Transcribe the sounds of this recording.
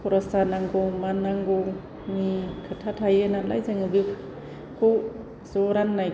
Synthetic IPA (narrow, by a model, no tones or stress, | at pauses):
pʰɔɾasanaŋɡomanːaŋɡow | mikʰɯtʰatʰajenala̰jzaŋɯbi | kʰow | zoɾanːaj